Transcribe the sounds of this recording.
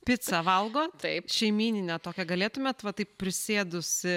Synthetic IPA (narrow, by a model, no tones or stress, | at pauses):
pʲɪt̪sɐʋɐlˠɡoːt̪ɐɪpʃʲɛɪmʲiːnʲɪnʲɛt̪oːkʲɛɡɐlʲeːt̪ʊmʲeːt̪ʋɐt̪ɐɪppʲɾʲɪsʲeːd̪ʊsʲɪ